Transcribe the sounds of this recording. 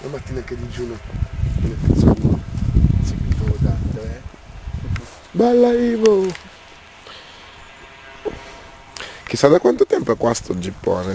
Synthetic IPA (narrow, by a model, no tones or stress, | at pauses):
lamat̪ːiːnaked̪id͡ʒuːnobelet̪at̪so̰n | sekit̪od̪at̪ːɛ | bɛlːaivo | k̟isːad̪akwant̪ot̪ɛmpoɛkːwast̪od͡ʒipːɔ̰ːne